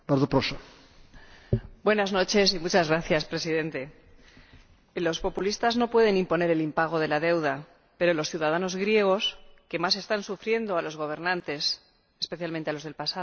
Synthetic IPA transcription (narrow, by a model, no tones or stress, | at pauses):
baɾðopɾoso | bwe̞nazno̞t͡ʃe̞s̬imut͡ʃazɣɾaθjaspɾe̞siðe̞nt̪e̞ | lo̞spo̞pulist̪azno̞pwe̞ð̞e̞nimpo̞ne̞ɾe̞limpaɣ̞o̞ð̞e̞laðe̞wða | pe̞ɾo̞lo̞sθjuðað̞ano̞zɣɾje̞ɣ̞o̞ske̞mas̬e̞st̪ansufɾje̞nd̪o̞alo̞zɣ̞o̞β̞e̞ɾnãnt̪e̞s | espe̞θjalmẽnt̪ealozðe̞lpasaðo